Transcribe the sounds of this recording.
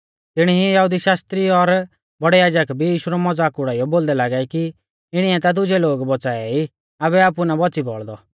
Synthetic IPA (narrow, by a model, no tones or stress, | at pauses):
t̪ɪɽ̃iijɐɦud̪iʃaːst̪ɾiɔɾ | bɔɽɛjaːd͡ʒəkbʱijiːʃuɾɔmɔd͡zaːkʊɽaːijɔboːld̪ɛlaːɡɛiki | ɪɽ̃iɛt̪ad̪ʊd͡ʒɛloːɡbɔt͡saːɛi | abɛaːpunabɔt͡sibɔ̰ɭd̪ɔ